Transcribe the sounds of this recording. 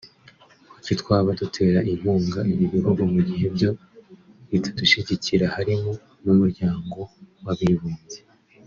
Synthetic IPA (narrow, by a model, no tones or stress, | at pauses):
kucitwaːβadutʰe̞ːɾaʔiβuːŋɡaiβiβihuɡumuɟiɦe̞bjo̞ | βitʰḁduʃiɟiciɾahaɾimu | jumuɾɟaːŋɡo̞waβiβuːnze